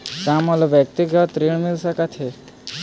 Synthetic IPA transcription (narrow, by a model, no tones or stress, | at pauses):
kamɔlɔʋjək̚t̪iɡʱət̪ɾiɳmilsakat̪ʰe